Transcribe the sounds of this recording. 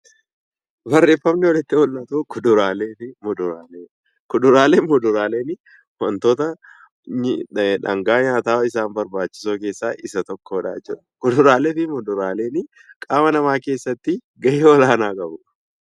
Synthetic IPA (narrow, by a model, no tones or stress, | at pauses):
bɐrːe̞ːfːɐmnɪwɐlɪt̪ːɪhʊlnɐt̪ukʊd̪ʊɾaːleːfɪmʊd̪ʊɾaːleː | kʊd̪ʊɾaːleːmʊd̪ʊɾaːleːnɪ | wɐnt̪oːt̪ɐ | ᶑɐ̰ŋɡaːɲaːt̪aːwɐɪsaːnbɐɾbaːt͡ʃːɪ̥soːke̞ːsːaːʔɪsɐt̪ɔkːoːᶑa̰ːt͡ʃːuːᶑɐ̥kʊd̪ʊɾaːleːfɪmʊd̪ʊɾaːle̞ːnɪ | kʼaːmɐnɐmaːke̞ːsːɐt̪ːɪ | ɡɐʔeɔlaːnaːkʼɐbʊ̥